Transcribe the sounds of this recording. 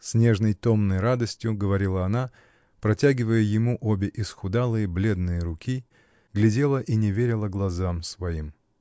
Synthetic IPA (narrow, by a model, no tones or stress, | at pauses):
sʲnʲe̞ʐnəjt̪o̞mnəjrad̪əsʲtʲjʊɡəvɐɾʲilˠəɐna | pɾɐtʲæɡʲɪvəjəjɪmuʔobʲɪʔɪsxʊd̪alˠɨjəblʲe̞d̪nɨjəɾʊkʲi | ɡlʲɪdʲe̞lˠəʔinʲɪvʲeɾʲɪlˠəɡlˠɐzamsvɐim